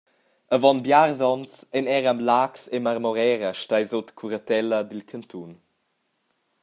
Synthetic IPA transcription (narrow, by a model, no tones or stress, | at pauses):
əvɔnbjaʁzɔnt͡sɛnɛʁamlaːksemaʁmɔʁɛːɾəʃtajzotkʰuɾət̪ɛlədilkʰənt̪ʰun